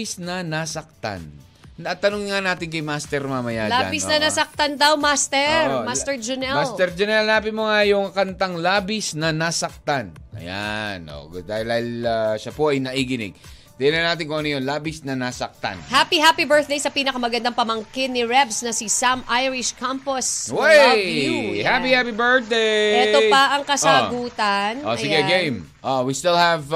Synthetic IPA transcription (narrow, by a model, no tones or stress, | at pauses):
ɪsnɐnasɐk̚t̪a̰n | at̪ɐnʊŋɪŋanaːt̪ɪnkɐjmast̪ɛɾmamɐjaːla̰ːbɪsnɐnasɐk̚t̪ɐnd̪ɐwmast̪ɛmast̪ɛɹd͡ʒʊnɛmalst̪ɛɾd͡ʒʊnɛlnaːpɪmoŋajʊŋkɐnt̪aŋlaːbɪsnɐnasɐk̚t̪anʔɐ̰ja̰nʔo̰d̪aːhɪld̪aːhɪlaʃɐpoʔɐjnɐʔiɡɪnɪ̰ɡ̚ | d̪ɪnɐnaːt̪ɪŋkoʔɐnɐjonlaːbɪsnɐnasɐk̚t̪a̰nhapiɦapibɛ˞t̪̚d̪ejsɐpiːnɐkɐmɐɡɐnd̪ɐŋpɐmɐŋkɪnːiɹɛbsnɐsisamʔajɹɪʃkamposwɛ | hapihapibɛ˞t̪̚d̪eɛt̪opɐʔɐŋkɐsaoɡuːt̪ɐnʔoɪɡɛɡejm | ʔoʔwist̪ɪlhɛv